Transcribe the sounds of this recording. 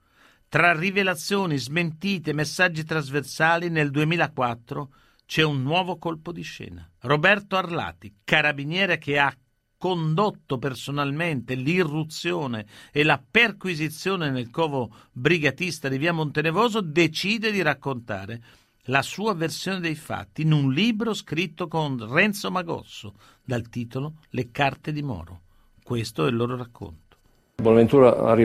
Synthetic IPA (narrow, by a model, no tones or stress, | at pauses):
t̪ɾarivelat̪sːjoːnizment̪iːt̪emesːad͡ʒːit̪ɾazversaːlineld̪uemiːlakwat̪ːɾo | t͡ʃɛunːwɔːvokolpod̪iʃːɛ̰ːna̰robɛrt̪oarla̰ːt̪ikaɾabinjɛːɾek̟ea | kːond̪ot̪ːopersonalment̪elirːut̪sːjoːneːlaperkwizit̪sːjoːnenelkɔːvobɾiɡat̪ist̪ad̪iviːamont̪enevoːzod̪et͡ʃiːd̪ed̪iɾakːont̪a̰ːɾe | lasuːaversjoːned̪ejfa̰t̪ːinunliːbɾoskɾit̪ːokonrɛnt̪somaɡɔ̰t̪sːo | d̪alt̪iːt̪ololekart̪ed̪imɔ̰ːɾo̰ | kwest̪oɛlːoːɾoɾakʰːo̰nt̪o̥ | bonavent̪uːɾaa̰ri